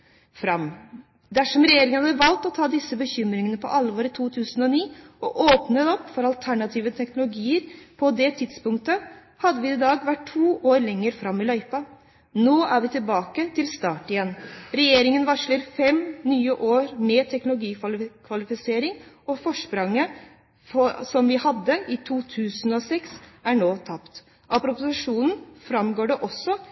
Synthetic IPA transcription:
fɾɑm | d̪æʂɔmɾɛjeːɾɪŋənhɑd̪əʋɑlt̪ɔt̪ʰɑːd̪ɪsːəbəçʏmɾɪŋənəpʰɔ̰ʔɑlʋoːɾɪt̪ʰuːt̪ʰʉːsənɔniːɔʔoːpnət̪ɔpːfɔɾɑlt̪ʰæɳɑt̪ʰiːʋət̪ʰɛknʊlʊɡiːəɾpʰɔd̪ɛt̪ʰɪd̪spʊŋk̚t̪ə | hɑd̪ːəʋɪːɪd̪ɑːɡʋæʈʰːuːʔoːɾɭɛŋːəɾfɾɑmːɪlœʏpɑ | noːʔæɾʋɪt̪ʰɪlbɑːkət̪ʰɪlst̪ɑːʈɪjɛnːɾɛjeːɾɪŋənʋɑʂləɾfɛmnyːəʔoːɾmɛt̪ʰɛknʊlʊɡiːkʰʋɑlɪfɪseːɾɪŋ | ɔfɔʂpɾɑŋːə | fɔsɔmʋɪhɑd̪ːəʔɪt̪ʰuːt̪ʰʉːsn̩ɔsɛksæɳoːt̪ʰɑpt̪ | ʔɑpɾʊpʊsɪʂuːnn̩fɾɑmɡoːɖɛʔɔsɔ

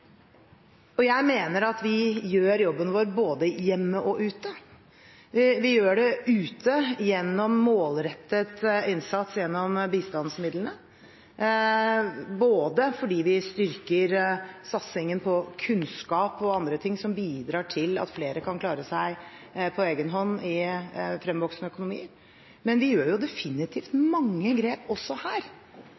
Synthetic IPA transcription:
ɔjæɪmeːnəɾɑt̪ʋɪjøːɾjɔbːənʋoːɾboːd̪əjɛmːəʔɔʔʉːt̪ə | ʋɪʋɪjøːɖɛʔʉːt̪ʰəjɛnːɔmːoːlɾɛt̪ːət̪ɪnsɑt̪sjɛnːɔmbiːst̪ɑnsmɪd̪lənə | boːd̪əfɔɖiːʋɪst̪ʏɾkəɾsɑt̪sɪŋənpʰɔkʰʉnskɑːpɔɑnd̪ɾət̪ʰɪŋsɔmbiːd̪ɾɑːʈʰɪlɑ̰t̪fleːɾəkʰɑnkʰlɑːɾəsæɪpʰɔeːɡənɦɔnːɪfɾɛmʋɔksnəœkʊnʊmḭːəɾ | mɛnʋɪjøːɾjʊd̪ɛfɪnɪt̪ʰiːft̪mɑŋːəɡɾeːpɔsːɔhæːɾ

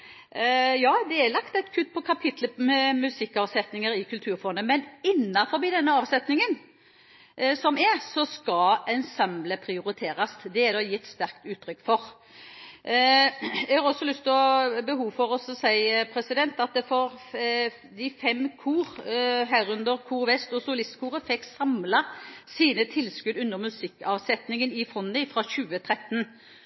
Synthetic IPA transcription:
jɑːd̪ɛɛlɑkt̪ɛɪt̪kʰʉt̪̚ːpʰɔkʰɑpʰɪt̪ʰləmɛmʉsɪkːɑːʋsɛt̪nɪŋəɾɪkʰʉlt̪ʰʉːɾfɔʁnəmɛnɪnːɑfɔɾbiːd̪ɛnːəɑːʋsɛt̪nɪŋən | sɔmɛsɔskɑɛnsɑmləpʰɾɪʊɾɪt̪ʰeːɾɑsd̪ɛɛɾd̪ɑːjɪt̪ːst̪æʁkt̪ʉːt̪ʰːɾʏkːfɔʁ | ɛɡhɑːʁɔsːɔlʏst̪ʰɪɔbəɦuːfɔʁɔsɔsæɪpʰɾɛsɪd̪ɛnt̪ɑt̪̚d̪ɛfɔʁ | d̪ɪfɛmːkʰuːʁɦæːɾʉnd̪əʁkʰuːʁʋɛst̪ɔsʊlɪst̪kʰuːʁəfɛkːsɑmlɑsiːnət̪ʰɪlskʉd̪ʉnːəʁmʉsɪkːɑʋsɛt̪nɪŋənɪfɔnːɪfɾɑːçʉːət̪ʰʁɛt̪ːn

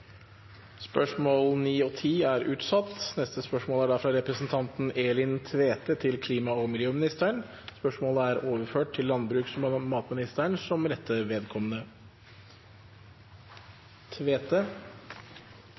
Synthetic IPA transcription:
spœʂmoːlniːɔt̪ʰiːæɾʉːt̪sɑt̪ːnɛst̪əspœʂmoːlæɖɑfɾɑɾɛpɾəsn̩t̪ʰɑnt̪n̩eːlɪnt̪ʰʋeːt̪ət̪ʰɪlkʰliːmɑɔmɪljøːmɪnɪst̪əɳ | spœʂmoːləæɾoːʋəɾføːʈtʰːɪlːɑnbɾʉːksmmɑːt̪mɪnɪst̪æɳsɔmɾɛt̪ʰːəʋeːd̪kʰɔmənə | t̪ʰʋeːt̪ə

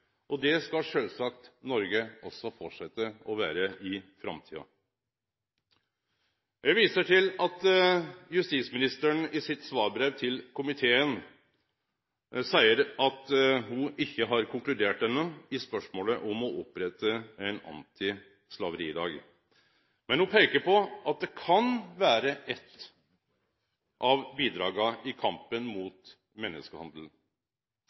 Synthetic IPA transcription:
ʔɔd̪ɛskɑʂøːlsɑk̚t̪nɔɾɡəɔsːɔfɔʈʂɛt̪ːəɔʋæ̰ːɾəɪfɾɑ̰mt̪ʰḭːɑ̰ | jæʋiːsəʈʰɪlɑt̪jʉst̪iːt̪smɪnɪst̪əɳɪsɪt̪sʋɑːɾbɾeʋt̪ʰɪlkʰʊmɪt̪ʰeːən | sæɪəɾɑt̪hʊʔɪçːəɦɑɾkʰʊŋklʉd̪eːʈ̚d̪ɛnːəɪspœʂmoːləʔɔmɔʔɔpɾɛt̪ːəɛɪnɑ̰nt̪ʰɪ | slɑʋəɾiːd̪ɑ̰ːɡ | mɛnhʊpʰeɪkəɾpɔɑt̪̚d̪ɛkʰɑnʋæːɾəʔɛt̪ː | ʔɑʋbiːd̪ɾɑːɡɑɪkʰɑmpənmuːt̪ | mɛnːə̰skəhɑnd̪əl̩

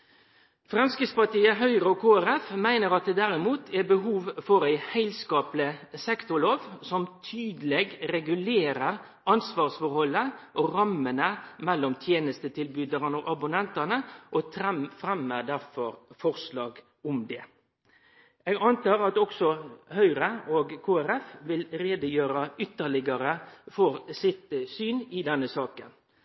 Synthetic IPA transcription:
fʁɑmskɪspɑt̪iːəɦœʏʁəokʰoːæɾɛfmæɪnəʁɑt̪̚d̪ɛːd̪æɾɪmuːt̪ʰɛbəɦuːʋfɔɾæɪhæɪlskɑːplɪsɛkt̪ʊloːʋsɔmt̪ʰyːd̪əlɛɡɾɛɡʉleːɾəʁ | ɑnsʋɑːʁsfɔɾhɔlːəʔoɾɑmːənəmɛlːɔmt̪ʰjeːnəst̪ət̪ɪlbyːd̪əʁənoʔɑbʊnɛnt̪ɑnəʔot̪ʰɾɛfɾɛmːəd̪æɾfɔɾfɔʁslɑːɡ | ʊmd̪ɛ | eːɡɑnt̪ɑːɾɑt̪ɔksɔhœʏɾəoːɡkʰoːæɾɛfʋɪlɾeːd̪əjøːɾɑʏt̪ːəɭɪɡɑɾəfɔʁsɪt̪syːnɪd̪ɛnːəsɑːkən

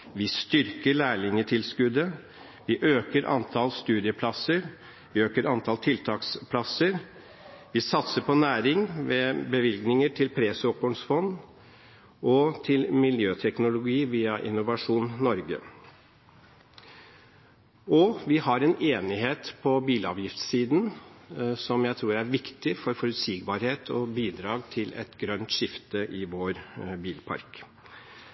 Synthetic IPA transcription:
ʋɪst̪ʏɾkəɭæːɭɪŋət̪ʰɪlskʉd̪ə | ʋɪʔøːkəɾʔɑ̰nt̪ʰɑlst̪ʉːd̪ɪəpʰlɑsəɾ | ʋɪøːkəɾɑnt̪ʰɑlt̪ʰɪlt̪ʰɑːkspʰlɑsəɾ | ʋɪsɑt̪səpʰɔnæːɾɪŋʋeːbəʋɪlɡnɪŋəʈʰɪlpʰɾeːsɔkɔɳsfɔnd̪ | ʔɔt̪ʰɪlmɪljøːt̪ʰɛknʊlʊɡiːʋiːɑʔɪnːʊʋɑʂuːnnɔɾɡə̰ | ɔʋɪhɑɾɛneːnɪɦeːt̪pʰɔbiːlɑ̰ːʋjɪft̪siːd̪n̩ | sɔmjæɪt̪ʰɾuːɾæɾʋɪkt̪ɪfɔɾfɔɾʉt̪siːɡbɑːɾheːt̪ʰɔ̰biːd̪ɾɑːɡt̪ʰɪlɛ̰t̪ɡɾœnt̪ʂɪft̪əʔɪʋoːɾbiːlpʰɑ̰ɾk

